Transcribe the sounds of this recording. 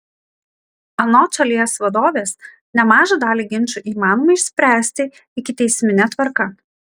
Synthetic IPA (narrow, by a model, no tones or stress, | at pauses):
ɐnoːt͡ʃɐlʲiɛsʋɐd̪oːʋʲeːs | nʲɛmɑːʒɐd̪ɑːlʲiːɡʲɪnʲˑt͡ʃuʔiːmɑːnɔmɐɪɪʃʲsʲpʲɾʲæːsʲt̪ʲɪ | ɪkʲɪt̪ʲɛɪsʲmʲɪnʲɛt̪ʋɐɾkɐ